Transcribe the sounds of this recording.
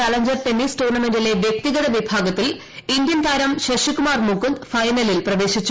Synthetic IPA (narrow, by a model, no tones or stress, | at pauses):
aːlɐɲd͡ʑɐrt̪enːiːsʈoːnɐmendile̞ʋjek̚t̪iɣɐðɐʋibʱaːɡɐt̪ːil | ind̪jɐnt̪ʰaːɾɐmɕeʂikːumaːrmukːund̪fɐjnɐlilprɐʋe̞ːɕit͡ɕːu